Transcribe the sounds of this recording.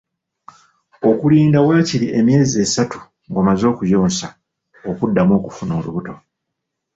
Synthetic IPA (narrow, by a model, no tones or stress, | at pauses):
o̞kuliːndawaːciɾiʔe̞mje̞ːzie̞satu̥ | ŋɡomazo̞ːkujo̞ːnsa | okudːamo̞ːkufuno̞luβuto̞